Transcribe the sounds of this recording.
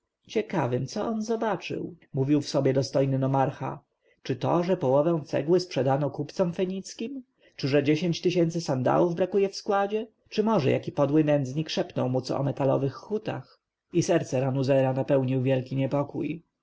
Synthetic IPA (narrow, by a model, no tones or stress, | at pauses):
t͡ɕɛkavɘmt̪sɔʔɔnzɔbat͡ʂɘ̰wmuvʲiwfsɔbʲjɛd̪ɔst̪ɔjnɘnɔmaɾxa̰ | t͡ʂɘt̪ɔʐɛpɔwɔvɛ̃w̃t̪sɛ̰ɡwɘspʂɛd̪anɔkupt̪sɔmfɛɲit̪skʲim | t͡ʂɘʐɛd͡ʑeɕeɲt͡ɕt̪ɘɕɛnt̪sɘsand̪a̰wuvbɾakujɛfskwad͡ʑɛ | t͡ʂɘmɔʐɛ̰jʔa̰kʲipɔd̪wɘnɛnd̪zɲikʂɛpnɔwmut̪sɔ̰ɔ̰mɛt̪alɔ̰vɘxːut̪a̰x | isɛɾt̪sɛɾanuzɛɾanapɛwɲiwvʲjɛlkʲiɲɛpɔkṵj